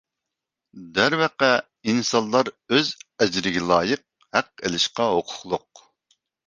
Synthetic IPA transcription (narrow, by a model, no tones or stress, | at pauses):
d̪æɾvɛqɛ | insɑnlˠɑɾøzɛd͡ʒɾɪɡʲɛlˠɑːjəq̚ | hæqːḛlɪʃqɑɦoqʰʊ̥χlˠʊq̚